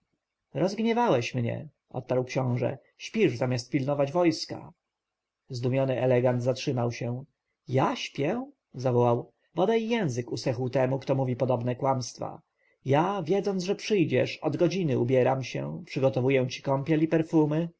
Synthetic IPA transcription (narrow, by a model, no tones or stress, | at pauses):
ɾɔzɡɲɛvawɛɕmɲɛ̰ | ʔɔ̰t̪̚paɾwkɕɔ̃w̃ʐɛ̰ | ɕpʲiʐzamʲjast̪̚pʲilnɔvad͡ʑvɔjska̰ | zd̪umʲjɔnɘʔɛlɛɡand̪zatʂɘmawɕɛ | jaɕpʲjɛ | zavɔwaw | bɔd̪ajjɛ̃w̃zɘkusɛxwt̪ɛmukt̪ɔmuvʲipɔd̪ɔbnɛkwamst̪fa̰ | javʲjɛd̪zɔnʐɛpʂɘjd͡ʑɛ̰ʂɔd̪ɡɔd͡ʑinɘṵbʲjɛɾamɕɛ̰pʂɘɡɔt̪ɔvujɛw̃t͡ɕi̥kɔmpʲjɛlipɛɾfumɘ